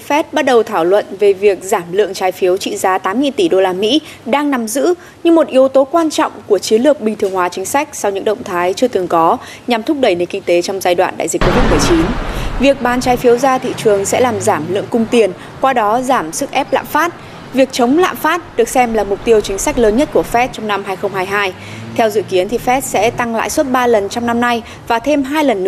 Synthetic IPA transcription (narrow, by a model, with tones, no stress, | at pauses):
fɛ˦˥t̚ɓa˦˥t̚ɗə˨˩wt̪ʰaː˧˩wlwə̰˧˨nve˨˩vi˨˩ək̚zaː˧˩mlɨ̰˧˨əŋt͡ɕaː˨˦jfi˨˦əwt͡ɕḭ˧˨zaː˧t̪aː˨˦mːŋi˧t̪i˧˩ɗo˧laː˧mḭ˧˥ | ɗaː˧ŋna˨˩mzɨ̰˧˥ | ɲɨ˧ŋmo˨˩t̚ʔi˨˦əwt̪o˨˦kwaː˧nt͡ɕɔ̰˧˨wŋ͡mku˧˩ət͡ɕi˨˦ənlɨ˨˩ək̚ɓï˩ŋt̪ʰɨ˨˩əŋhwaː˨˦t͡ɕï˨˦ŋ̟sa˦˥jk̚sa˧wɲɨ̰˧˥ŋɗə̰˧˨wŋ͡mt̪ʰaː˨˦jt͡ɕɨ˧ət̪ɨ˨˩əŋkɔ˨˦ | ɲa˨˩mt̪ʰʊ˦˥k͡p̚ɗə˧˩jne˨˩nkï˧ŋt̪e˨˦t͡ɕɔ˧wŋ͡mzaː˧jɗwa̰ː˧˨nɗa̰ː˧˨jzi˨˩ko˧vi˦˥t̚mɨ˨˩ət͡ɕi˨˦nvi˨˩ək̚ɓaː˨˦nt͡ɕaː˨˦jfi˨˦əwzaː˧t̪ʰḭ˧˨t͡ɕɨ˨˩əŋsɛ̰˧˥laː˨˩mzaː˧˩mlɨ̰˧˨əŋkʊ˧ŋ͡mt̪i˨˩ən | kwaː˧ɗɔ˨˦zaː˧˩msɨ˦˥k̚ʔɛ˦˥p̚la̰ː˧˨mfaː˦˥t̚ | vi˨˩ək̚t͡ɕə˨˦wŋ͡mla̰ː˧˨mfaː˦˥t̚ɗɨ˨˩ək̚sɛ˧mlaː˨˩mʊ˨˩k͡p̚t̪i˧əwt͡ɕï˨˦ŋ̟sa˦˥k̟̚ləː˨˦nɲə˦˥t̚ku˧˩əfɛ˦˥t̚t͡ɕɔ˧wŋ͡mna˧mɦaː˧jxə˧ŋ͡mhaː˧jɦaː˧j | t̪ʰɛ˧wzɨ̰˧˨ki˨˦ənt̪ʰi˨˩fɛ˦˥t̚sɛ̰˧˥t̪a˧ŋla̰ː˧˨jswə˦˥t̚ɓaː˧lə˨˩nt͡ɕɔ˧wŋ͡mna˧mna˧j | vaː˨˩t̪ʰe˧mɦaː˧jlə˨˩nːɨ̰˧˥